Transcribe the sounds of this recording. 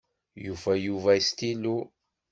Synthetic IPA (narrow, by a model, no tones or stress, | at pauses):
juvæjuvæist̪ilu